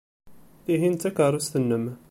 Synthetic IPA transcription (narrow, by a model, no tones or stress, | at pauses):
iɦint̪ækɑɾˤust̪ənːəm